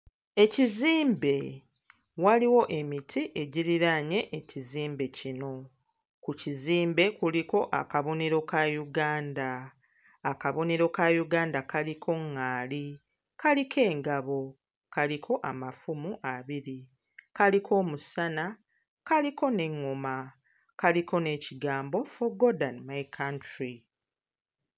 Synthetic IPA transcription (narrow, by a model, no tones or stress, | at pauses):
e̞ciziːmbe̞ | waliwo̞ʔe̞mitʰiʔe̞ɟiɾiɾaɲe̞ʔːciziːmbe̞cino̞ | kuciziːmbe̞kuliko̞ʔa̰kaβo̞ne̞ɾo̞kajuɡaːndaː | kaβo̞ne̞ɾo̞kajuɡaːndakalikʰo̞ŋːaːli | kalikʰe̞ːŋɡaβo̞ | kalikʰo̞ʔamafumuʔaβiɾi | kalikʰo̞ːmusana | kaliko̞ne̞ŋːoma | kaliko̞ne̞ːciɡaːmbo̞foɡodanmajkʰantɾi